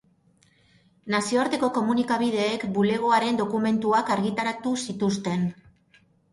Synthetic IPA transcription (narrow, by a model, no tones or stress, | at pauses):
nasio̞aɾt̪e̞ko̞ko̞munikaβiðe̞ːkbule̞ɣ̞o̞aɾe̞nd̪o̞kume̞nt̪uakaɾɣit̪aɾat̪usit̪ust̪e̞n